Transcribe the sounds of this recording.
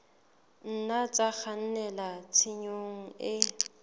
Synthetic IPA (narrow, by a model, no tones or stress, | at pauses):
n̩nat͡sʼak͡xʰan̩nɛlat͡sʰɪɲoŋ̩ɪ